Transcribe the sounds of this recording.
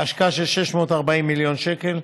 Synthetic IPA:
aʃkaaʃelʃeʃmo̞taʁbaimːiljo̞nʃeke̞l

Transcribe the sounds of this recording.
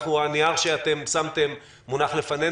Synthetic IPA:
χhuaniaʁʃeat̪e̞msamt̪e̞mː | unaχle̞fane̞

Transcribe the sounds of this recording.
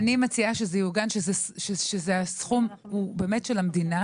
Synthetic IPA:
nimat͡siaʃezejuɡanʃezeʃeʃezeasχum | ubeːmetʃelamdina

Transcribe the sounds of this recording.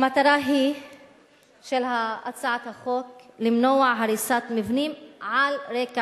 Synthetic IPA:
mat̪aɾaɦi | ʃelɦaat͡saʕat̪haχoklimnoaʕɦaɾisat̪mivnimʕalɾeka

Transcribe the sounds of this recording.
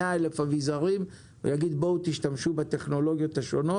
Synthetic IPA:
aelefavizaʁim | vḛjaɡid̪bout̪iʃtamʃubat̪e̞χno̞lo̞ɡjo̞t̪haʃo̞no

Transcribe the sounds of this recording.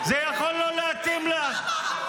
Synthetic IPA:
zɛjaχolːoleat̪imla

